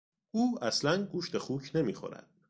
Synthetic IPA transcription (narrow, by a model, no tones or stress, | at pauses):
ʔuːæslænɡuːʃt̪e̞xuːcʰne̞miːxo̰ɾæ̰d̪̥